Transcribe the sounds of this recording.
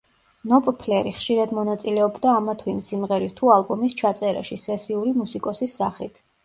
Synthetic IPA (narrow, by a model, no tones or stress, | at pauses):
nɔpʼpʰlɛɾiχʃiɾad̪mɔnat̪sʼilɛɔbd̪aːmat̪ʰwɛimsimʁɛɾist̪ʰualˠbɔmist͡ʃʰat̪sʼɛɾa̰ʃisɛsiuɾimusikʼɔsisːaχit̪ʰ